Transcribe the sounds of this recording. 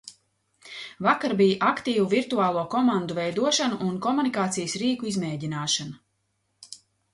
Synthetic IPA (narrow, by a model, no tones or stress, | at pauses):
vakaɾbijʔakt̪iːvuviɾt̪uaːlˠuɔkɔmand̪uvɛjd̪uɔʃanuʔːnkɔmunikaːt̪sijsɾiːkuizmɛːɟinaːʃana